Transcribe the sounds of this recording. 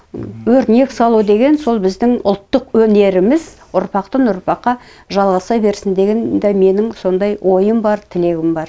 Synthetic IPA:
wɵɾt̪ne̞ksɑlˠud̪e̞ɡʲe̞nso̞lˠbɪzd̪ɪŋʊ̰lˠt̪ːəqwɵne̞ɾɪmɪz | ʊɾpɑqt̪ənʊɾpɑqːɑ | ʒɑlˠʁɑsɑjbe̞ɾsɪnd̪e̞ɡʲend̪æme̞nɪŋso̞nd̪ɑjwʔo̞jəmbɑɾt̪ʰɪle̞ɡʲɪmbɑɾ

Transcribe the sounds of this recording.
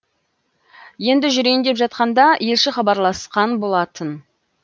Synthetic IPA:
je̞nd̪ɪʒʏɾe̞jɪnd̪e̞pʒɑt̪̚qɑnd̪ɑje̞lʃɪχɑbɑɾlˠɑsqɑnbo̞lˠɑt̪ən

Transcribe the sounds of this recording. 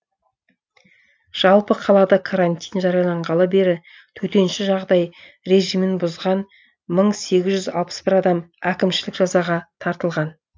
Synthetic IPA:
ʒ̥ɑlˠpəqʰɑlˠɑd̪ɑkʰaɾant̪ʲijnʒɑɾɑjɑlˠɑɴʁɑlˠəbe̞ɾɪ | t̪ʰɵt̪e̞nʃɪʒɑʁd̪ɑj | ɾe̞ʒijmɪnbʊzʁɑn | məɴse̞ɡʲɪzʒʏzɑ̰lˠpə̥sb̥ɪɾɑd̪ɑmækʲɪmʃɪlɪkʒ̥ɑzɑʁɑt̪ʰɑɾt̪əlˠʁɑn

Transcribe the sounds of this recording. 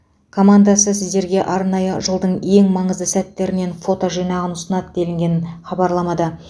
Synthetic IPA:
kʰo̞mand̪asəsɪzd̪e̞ɾɡʲe̞ʔɑɾnɑjəʒəlˠd̪əɴe̞ŋmɑɴəzd̪əsæt̪ːe̞ɾɪne̞nfo̞t̪o̞ʒijnɑʁənʊsənɑt̪d̪e̞lɪŋɡʲe̞nɪnχɑbɑɾlˠɑmɑd̪ə

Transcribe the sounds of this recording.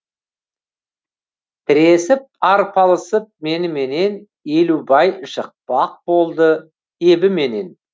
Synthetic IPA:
t̪ʰɪɾe̞sɪp̚ɑɾpʰɑlˠəsəp̚me̞nɪme̞ne̞n | e̞lubɑjʒ̥əq̚pɑq̚b̥o̞lˠd̪ə | e̞bɪme̞ne̞n

